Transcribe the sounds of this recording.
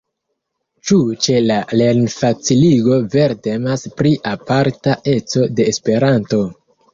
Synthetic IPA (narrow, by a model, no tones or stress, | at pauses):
t͡ʃut͡ʃe̞lale̞ɾnfat͡siliɡo̞ve̞ɾte̞maspɾiʔapaɾtaʔe̞t͡so̞de̞ːspe̞ɾanto̞